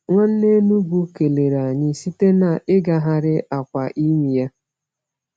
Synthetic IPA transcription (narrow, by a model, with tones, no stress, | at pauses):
ŋʷa˦n̩˦ne˦nu˦ɡu˦ke˨le˨ɾa˨ɲɪ˨si˦te˦na˨ʔɪ˦ɡa˦ɦa˦ɾɪ˦ʔa˨kʷa˨ʔi˦mi˨ja˦